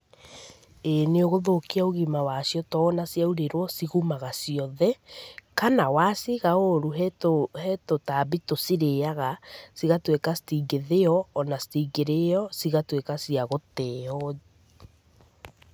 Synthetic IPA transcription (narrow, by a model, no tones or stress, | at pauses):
eneoɣoðokiaoɣimawasjɔtɔːnasjauɾeɾwɔsiɣumaɣasiɔðɛkanawasiɣaoɾuɦɛtohɛtotabitosiɾeaɣasiɣatwekasi̥tiːɡeðeɔːnasi̥tiːɡeɾeɔsiɣatwekasiaɣotɛːɔ